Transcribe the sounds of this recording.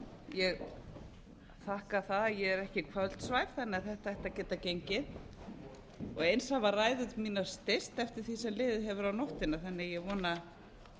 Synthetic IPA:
jɛɣ | θahkaθaðjɛɛɾɛhcɪkʰvœlt̪svaːjv̥θanːɪaθɛht̪aɛht̪acɛːt̪acejɲcɪð | ɔɣejnsavaraːjðʏt̪miːnḁst̪est̪ɛft̪ɪɾ̥θisɛmlɪːðɪɦɛvʏɾawnɔht̪ɪnaθɛnːɪjɛɣvɔːna

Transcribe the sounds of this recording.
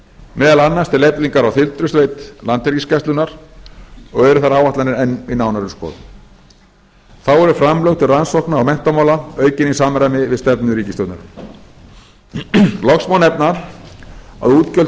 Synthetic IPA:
mɛːðalanːast̪ʰɪlepðiŋkaɾawθɪlt̪ɾʏst̪veːjt̪lant̪ɛɾciscɛst̪ʏnaɾ̥ | ɔɣɛɾʏθaɾaːwaht̪anɪnɛnːinawnaɾʏskɔ̰ːð | θawɛɾʏfɾamlœwt̪ʰɪlransɔhknaːwmɛn̥t̪amaːwlaœːɥcɪnisaːmɾajmɪvɪðst̪ɛpnʏɾiːcɪst̪œwt̪naɾʏ | lɔksmawnɛpnaɾ̥ | a̰ðuːt̪cœl

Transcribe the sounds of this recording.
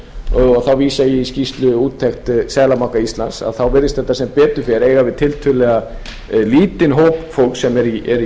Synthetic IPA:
θawviːsajɛscist̪lʏuːt̪ʰːɛxt̪sɛːlamawkaist̪lansa̰ðθawvɪɾðɪst̪θɛt̪ːasɛmpɛːt̪ʏfɛɾeːjɣavɪðt̪ʰɪlt̪ʰʏlɛɣa | liːt̪ɪnɦoːwpfowlksɛmɛɾiɛɾ

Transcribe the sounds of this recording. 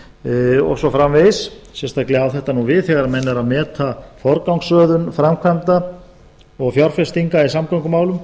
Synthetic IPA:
ɔ̰ɣsɔfɾamvessɛnst̪aklɛawθɛht̪anuvɪðθɛɣaɾamɛnːaɾaðmɛːt̪ʰafɔɾkawŋksœːðʏnfɾamkʰvamt̪a | ɔɣfjɔɾ̥fɛst̪iŋkaisamkawŋkʏmaːwlʏm

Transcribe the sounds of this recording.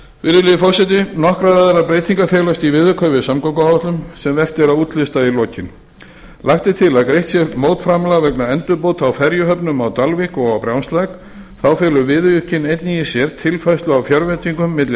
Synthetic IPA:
vɪɾɪlɪðɪfɔwsɛt̪̬ɪnɔhkɾavaːðɾapɾeːjt̪ʰiŋkafjɛːlast̪ivɪðʏkʰœɥvɪsamkowkahaht̪lʏmsɛmvɛft̪ɪɾaðuːt̪ʰlɪst̪ailɔːcɪn | lajht̪ɪt̪ʰɪlaðkɾejht̪sjɛɾmoːwt̪fɾaːmlavɛknaɛnt̪ʏpoːwt̪ʰawfɛɾjʏɦœpnʏmawt̪alvikɔɣawpɾjawnst̪lajk | θawfɛːlʏvɪðʏjʏhcɪnejt̪niisjɛɾt̪ʰɪlfajst̪lʏawfjœɾvɛt̪iŋkʏmːɪt̪lɪ

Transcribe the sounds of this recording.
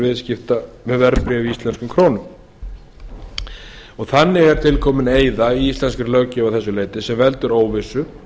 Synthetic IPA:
vɪðscɪft̪amɛðvɛɾpɾɪaviist̪ɛnskʏmkʰɾoːnʏm | ɔɣθanːɪɣɛɾ̥t̪ʰɪlkʰɔːmɪneːjðaiist̪lɛnskɪɾlœɣcɪawθɛsːʏleːjt̪ɪsɛmvɛlt̪ʏɾoːwvɪsːʏ

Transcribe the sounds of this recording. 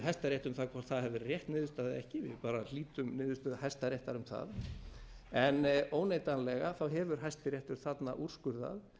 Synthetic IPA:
ɦajst̪aɾjɛjht̪ʏmθakʰvaɾ̥θaðhɛvɪrjɛht̪nɪːðʏst̪aːðɪɛhcɪvɪ̰ðpaːɾaliːt̪ʏmnɪːðʏst̪aðɦajst̪aɾjeht̪aɾʏmθa̰ð | ɛnoːwnejt̪anlɛɣaθawɦɛvʏɾ̥ɦajst̪ɪɾjɛht̪ʏɾ̥θat̪naʔur̥skʏɾða̰ð

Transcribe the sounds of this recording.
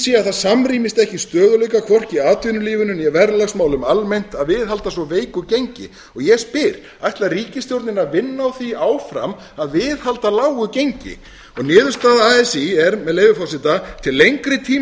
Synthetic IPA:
siaθaðsamriːmɪst̪ɛhcɪst̪œːðʏlœjkakʰvɔr̥cɪaːt̪ʏːnʏliːvʏnʏmjɛvɛɾlaɣsmaːwlʏmalmejn̥t̪aðvɪðɦalt̪asvɔveːjkʏcejɲcɪ̰ | ɔɣjɛspɪɾ̥ | a̰jht̪lariːcɪst̪jowɾt̪nɪnaðvɪnːaawθiaːwfɾa̰m | aðvɪːðhalt̪alaːwɣʏcejɲcɪ̰ | ɔɣnɪːðʏɾst̪aːðaaɛsiɛɾmɛðleːjvʏfawsɪt̪at̪ʰɪlːejŋkɾɪt̪ʰiː

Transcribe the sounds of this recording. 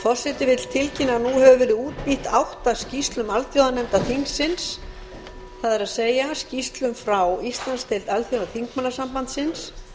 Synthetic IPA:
fɔr̥sɛt̪ɪvɪt̪l̥t̪ʰɪlcɪnanuhɛvʏvɛːɾɪðɪuːt̪̚piht̪awht̪ascist̪lʏmalθjowðanɛmt̪aθiŋksɪns | θaðɛɾaðseːjascist̪lʏmfɾawist̪lanst̪ʰejlt̪alθjowðaθʰiŋk̚manːasampant̪sɪns

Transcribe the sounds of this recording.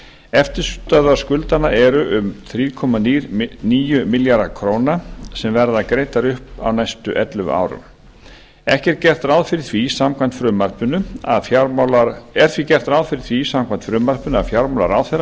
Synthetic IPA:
ɛft̪ɪɾ̥st̪aðḁskʏlt̪anaʔɛɾʏʔʏmθɾiːkʰɔmaniɾniːjʏmɪljaɾakʰɾoːwnasɛmvɛɾðaðkɾeːjt̪aɾʏhpa̰wnajst̪ʏʔɛt̪lʏma̰ːwɾʏ̰m | ɛhcɛɾcɛr̥t̪ɾawðfɪɾɪ̥θvisamkʰvant̪fɾʏmːar̥pʏnʏa̰ðjamlaɛɾ̥t̪ʰvicɛr̥t̪ɾawðfɪɾɪ̥θʰvisamkʰvant̪fɾʏːmːar̥pʏna̰ðfjawɾmɔla̰ɾaːwθɛɾa

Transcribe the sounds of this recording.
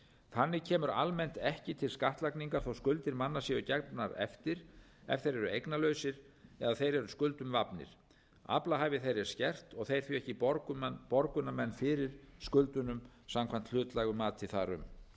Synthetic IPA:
θanːɪcʰɛːmʏɾa̰lmɛn̥t̪ɛhcɪt̪ʰɪlskaht̪lakniŋkaɾ̥θowskʏlt̪ɪɾmanːasjɛʏcɛɾpnaɾɛ̰ft̪ɪɾ̥ | ɛ̰ft̪ejɾɛɾʏejknalœɥsɪɾ | ɛðaθejɾɛɾʏskʏlt̪ʏmvapnɪ̰ɾ̥ | a̰plaɦaːvɪθejɾɛɾ̥scɛr̥t̪ɔɣθejɾ̥θɥiɛhcɪɾpɔɾkʏnamɛnːfɪːɾɪɾ̥skʏlt̪ʏnʏm | samkʰvan̥t̪l̥ʏːt̪lajɣʏmaːt̪ʰɪθa̰ɾʏ̰m

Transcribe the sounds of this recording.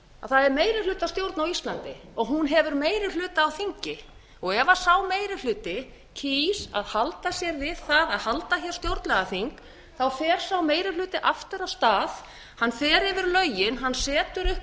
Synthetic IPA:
aθaðɛɾmeːjɾɪlʏːt̪ast̪jowɾt̪nawist̪lant̪ɪɔɣɦunɦɛvʏɾmeːjɾɪlʏːt̪aːwθiɲcɪ | ɔɣɛvasawmeːjɾɪlʏːt̪ɪ | cʰisa̰ðhalt̪asjɛɾvɪðθaðaðhalt̪açɛɾ̥st̪jowɾt̪lɛɣaθiŋk | θawfɛːɾ̥sawmeːjɾɪlʏːt̪ɪʔaft̪ɪɾawst̪aːð | hanːfɛːɾɛvʏɾlœɥjɪnɦanːsɛːt̪ʏɾʏh

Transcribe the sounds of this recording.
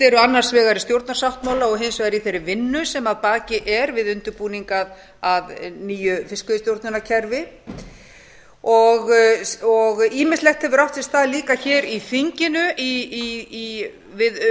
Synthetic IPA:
ɛɾʏanːaɾ̥svɛːɣaɾɪst̪jowɾt̪naɾ̥sawht̪maːwlaɔɣɦeːjmsvɛɣaɾiθejɾːɪvɪnːʏsɛmaðpaːcɪʔɛɾvɪðʏnt̪ʏɾpuːniŋkað | aðniːjʏfɪskʏst̪jowɾt̪nʏnacʰɛɾvɪ | ɔɣɔɣiːmɪst̪lɛxt̪hɛvʏɾaft̪sɪst̪θaðliːkaçɛːɾifiɲcɪnʏiii | vɪð

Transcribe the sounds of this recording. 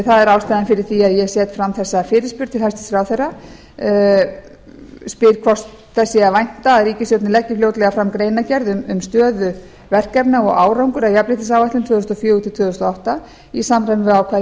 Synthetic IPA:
θaðɛɾaːwst̪ajðanfɪɾɪɾ̥θiaðjɛsjɛt̪fɾamθɛsːafɪːɾɪspʏɾ̥t̪ʰɪlhast̪ɪ̥sɾawθɛrːa | spɪɾkʰvɔst̪ | θɛsːɪavajn̥t̪aːðɾiːcɪsjɔt̪nɪlɛcːɪfloːwt̪lɛɣafɾamkɾejnacɛɾðʏmʏmst̪œːðʏ | vɛr̥kɛpnaɔɣaːwɾawŋkʏɾawjaplɪht̪ɪs̬awvaht̪ɪmt̪ʰvʏːðʏst̪ɔfjʏːut̪ʰɪlt̪ʰvʏðʏst̪ɔɔht̪a | isaːmrajmvɪawkʰa

